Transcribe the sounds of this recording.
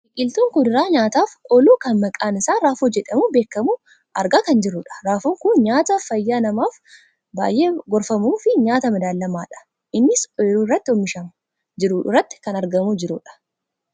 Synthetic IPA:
ɪkʼɪlt̪uːŋkʊd̪ɪɾaːɲaːt̪aːfʔɔluːkɐnmɐkʼaːnɪsaːɾaːfoːd͡ʒɛᶑɐmubeːkːɐmu | ʔɐɾɡaːkɐnd͡ʒɪɾʊᶑɐ̥ɾaːfuːŋkʊnɲaːt̪ɐfɐjːaːnɐmaːf | ba̰ːjʔe̞ːɡɔɾfɐmuːfɪɲaːt̪ɐmɐd̪aːlːɐmaːᶑɐ̥ | ʔɪnːɪsɔluːrːɐt̪ːɪɔmːɪʃɐmɐ | d͡ʒɪɾurːɐt̪ːɪ̥kɐnɐɾɡɐmuːd͡ʒɪɾuᶑɐ̥

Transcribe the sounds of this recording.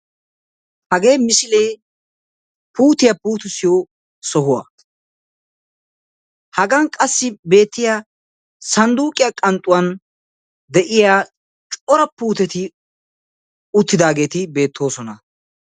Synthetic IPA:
hɐɡe̞ːmɪsɪleː | puːt̪ɪjɐpuːt̪ʊsɪjo | sɔɦʊwɐ̰ | hɐɡɐŋkʼɐsːɪbe̞ːt̪ːɪja | sɐnd̪uːkʼɪjakʼɐnt̪ʼːʊwɐn | d̪ɛʔɪjaː | t͡ʃʼɔɾɐpuːt̪ɛt̪ɪ | ʊt̪ːɪd̪aːɡe̞ːt̪ɪbe̞ːt̪ʰːo̞ːsɔnɐ

